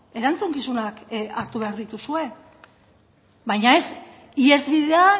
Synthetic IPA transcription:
e̞ɾant͡suŋkisunakaɾt̪uβe̞aɾðit̪usue̞ | βajɲae̞s | ie̞zβiðe̞a

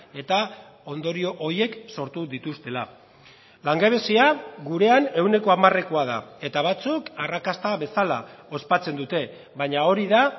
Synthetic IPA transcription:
e̞t̪a | o̞nd̪o̞ɾio̞ʔoje̞kso̞ɾt̪uðit̪ust̪e̞la | laŋɡeβe̞siaɣuɾe̞ane̞wne̞ko̞amare̞koaða̰e̞t̪aβ̞at͡sukarakast̪aβe̞salao̞spat͡se̞nd̪ut̪e̞ | βaɲao̞ɾiða

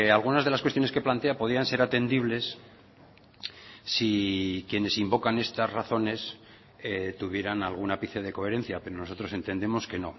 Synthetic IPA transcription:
alɣ̞unazð̞elaskwet̪jonekeplant̪e̞apo̞ðɾianse̞ɾat̪e̞nd̪iβ̞le̞s | ikje̞ne̞simbo̞kane̞st̪azraθo̞ne̞s | et̪uβje̞ɾanalɣ̞unapiθeð̞e̞ko̞e̞ɾẽ̞n̟θjape̞ɾono̞so̞t̪ɾo̞se̞nt̪e̞nd̪e̞mo̞ske̞no̞

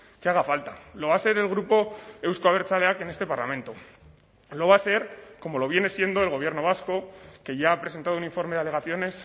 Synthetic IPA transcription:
keaɣ̞afalt̪alo̞β̞ase̞ɾe̞lɣ̞ɾupo̞ewskoaβeɾt͡sale̞ake̞ne̞st̪e̞paɾlamẽ̞nt̪o̞ | lo̞βase̞ɾko̞mo̞lo̞β̞je̞ne̞sje̞nd̪o̞elɣ̞o̞β̞je̞ɾno̞β̞asko̞ke̞ʝaːpɾe̞se̞nt̪aðuniɱfo̞ɾme̞ðale̞ɣ̞aθjo̞ne̞s

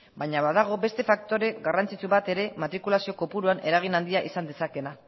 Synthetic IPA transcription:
bajɲaβaðaɣ̞o̞be̞st̪e̞fak̚t̪o̞ɾe̞ɣarant͡sit͡suβat̪e̞ɾe̞mat̪ɾikulasio̞ko̞puɾuaneɾaɣ̞inand̪iaʔisand̪e̞sake̞na

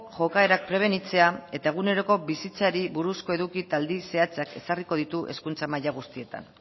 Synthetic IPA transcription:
ʝo̞kae̞ɾak̚pɾe̞β̞e̞nit͡se̞ae̞t̪ae̞ɣ̞une̞ɾo̞ko̞βisit͡saɾiβuɾusko̞e̞ðukit̪ald̪ise̞at͡sake̞sariko̞ð̞it̪uʔe̞skunt͡samajaɣ̞ust̪ie̞t̪a̰n

